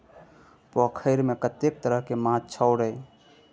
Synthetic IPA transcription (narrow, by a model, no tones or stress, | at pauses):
pɔkʰəɪɾmekət̪ek̚t̪əɾəɦkemãt͡ʃʰəʊɾə